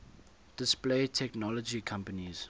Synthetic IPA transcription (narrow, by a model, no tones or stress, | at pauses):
d̥ɪspleːtʰɛknɔlɔd͡ʒikʰãmpəniz̥